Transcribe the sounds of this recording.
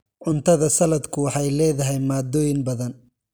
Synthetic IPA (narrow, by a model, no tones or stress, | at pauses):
ʕʊnt̪ʰɐðɐsɐlɐd̪kʰʊwɑħɑjlɛːðɐɦɛjmaːd̪ɔːjɪnbɐðɐn